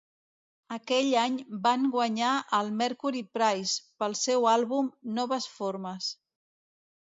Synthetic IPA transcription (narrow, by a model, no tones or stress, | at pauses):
əkɛʎaɲbaŋɡwəɲaʔəlˠmɛɾkuɾipɾajspəlˠsɛwalˠβumnɔβəsfoɾməs